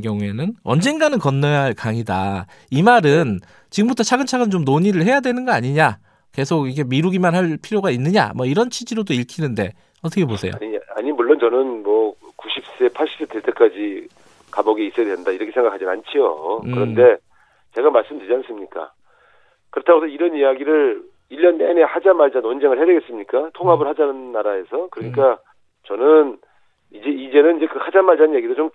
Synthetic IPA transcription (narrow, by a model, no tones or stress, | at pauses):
ɡjʌŋue̞nɯnʌ̰nd͡ʑenɡanɯnkʌnːʌjʌɦaɭkaŋida̰ | imaɾɯn | t͡ɕiɡɯmbutʰʌt͡ɕʰaɡɯnt͡ɕʰaɡɯnt͡ɕomnoɲiɾɯɭhe̞jadwe̞nɯnɡʌaɲiɲa | ke̞sʰoɡikʰe̞miɾuɡimanhaɭpʰiɾjoɡainːɯɲa̰mʌiɾʌnt͡ɕʰid͡ʑiɾodoiɭkʰinɯnde̞̰ | ʌt͈ʰʌkʰe̞posʰe̞jo̰ɲia̰ɲimuɭːont͡ɕʌnɯnmwʌkuɕʰip̚s͈e̞pʰaɭɕ͈ʰi̥s͈eteɭtʰek͈ad͡ʑi | kabʌɡeis͈ʌjadwenndaiɾʌkʰe̞sʰe̞ŋɡakʰad͡ʑinant͡ɕʰijo̰kɯɾʌnde̞ | t͡ɕe̞ɡamaɭs͈ɯmndɯd͡ʑians͈ɯmɲik͈a̰ | kɯɾʌtʰaɡosʰʌiɾʌnijaɡiɾɯɭ | iʎːʌnene̞had͡ʑamaɭd͡ʑanwond͡ʑeŋɯɭhedeɡe̞s͈ɯmɲik͈atʰoŋɦabɯɭhad͡ʑanɯnːaɾae̞sʰʌkɯɾʌɲik̬͈a | t͡ɕʌnɯn | id͡ʑe̞id͡ʑe̞nɯnid͡ʑe̞kɯhad͡ʑamaɭd͡ʑanɯnjaɡidot͡ɕom